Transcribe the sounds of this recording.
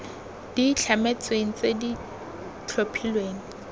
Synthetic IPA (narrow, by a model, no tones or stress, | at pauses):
d̥it͡ɬʰamet͡sʼweŋ̩t͡sedi | t͡ɬʰopʰilweːŋ̩